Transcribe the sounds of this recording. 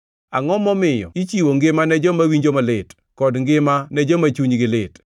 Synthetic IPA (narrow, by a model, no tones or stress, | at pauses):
aŋɔmɔmɪjɔ̰it͡ʃiwoŋɡɪmanɛd͡ʒɔmawiɲd͡ʒomalɪt | kɔdŋɡɪmanɛd͡ʒɔmat͡ʃuɲɡɪlɪt